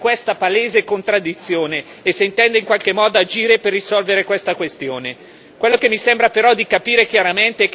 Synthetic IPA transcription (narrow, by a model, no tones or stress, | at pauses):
kwest̪apaleːzekont̪ɾad̪ːit̪sːjoːneːseint̪ɛnd̪eiŋkwalk̟emːɔːd̪oad͡ʒiːɾeperːisɔlveɾekwest̪akwest̪joːne | kwelːokemːisembɾapeɾɔd̪ːikapiːɾek̟jaɾament̪ek